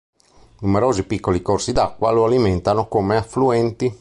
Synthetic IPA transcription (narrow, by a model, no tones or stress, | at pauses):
numeɾoːzipikːolikorsid̪akːwa̰loaliment̪anokomeafːluɛnt̪i